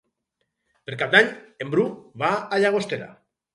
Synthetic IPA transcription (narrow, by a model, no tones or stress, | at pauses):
peɾkap̚d̪aɲembɾuβaaʎaɣ̞ost̪eɾa̰